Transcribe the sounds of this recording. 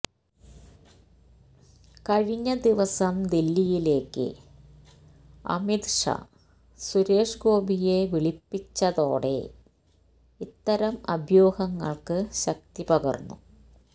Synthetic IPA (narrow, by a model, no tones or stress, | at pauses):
kɐɻiɲːɐd̪iʋɐsɐmd̪ilːijile̞ːkːɨ̰ | ɐ̰mid̪ʂɐ̰ | suɾe̞ːʂɡo̞ːbije̞ʋiɭipːit͡ɕːɐðo̞̰ːɽe̞̰ | it̪ːɐɾɐmɐ̰bʱjo̞ːhɐŋːɐ̰ɭkɨɕɐk̚t̪ipɐɣɐ̰rnːṵ